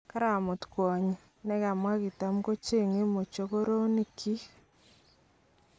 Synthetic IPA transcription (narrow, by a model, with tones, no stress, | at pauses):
ka˦ɾa˨mo˨tkwɔ˨ɲ˨ | nɛ˦ka˨mwa˦ki˨ta˨mko˦t͡ʃe˦˨ŋe˦mo˨t͡ʃo˨ko˦ɾo˦ni˦kʰi˦